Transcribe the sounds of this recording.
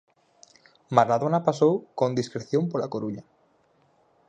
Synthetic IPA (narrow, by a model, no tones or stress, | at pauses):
maɾaðonapasowkond̪iskɾeθjompolakoɾuɲa